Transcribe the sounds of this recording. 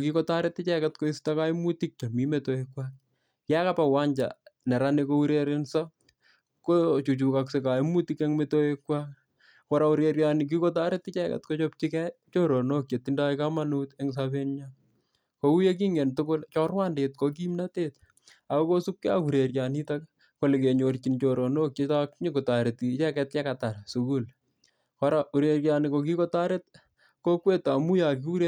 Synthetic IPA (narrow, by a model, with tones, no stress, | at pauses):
ki˦kɔ˦ta˦ɾɪ˦tːɪ˦t͡ʃɛ˦kɛtko˦i˦sta˦ka˦imu˦tik̚t͡ʃa˨mi˦metoekwa˦k̚ | ka˦ka˦pa˨wa˦ɲd͡ʒa̰˨nɛ˨ɾanekou˦ɾe˦ɾɪnsa˦ | kot͡ʃu˨t͡ʃu˨kakseka˨imu˦ti˦keŋmeto˦ekwa˦k̚ | kɔ˦ɾa˦u˦ɾeɾjanik̬i˦ko˦t̬a˦ɾɪ˦t̪ːɪ˦t͡ʃɛ˦kɛ̰tko˦t͡ʃɔp̚t͡ʃikɛt͡ʃo˦ɾo˨no˦kje˨tːi˦nda˦ika˦ma˦nu˦tɛŋs̬abe˦nɲa | ko˨u˦je˦k̬i˦ŋɛ˨ntʊkʊ˦lt͡ʃɔ˦rwaː˦nde˨tkok̬i˦mnate˦t | a˨ko˦ko˦su˦kkɛ˦a̰ku˨ɾe˨ɾja˨ni˦tak | ko˨le˨ke˨ɲo˨rt͡ʃi˨nt͡ʃo˨ɾo˨no˦kjetakɲe˦ko˨ta˨ɾe˨tit͡ʃɛ˦kɛtjɛ˦ka˨ta˨rsu˨ku˦l | kɔɾau˨ɾe˨ɾjanɪ˨ko˨k̬i˦kɔ˦ta˦ɾet̚ | ko˦kwe˦ta˨mu˦ja˨ki˦u˦ɾe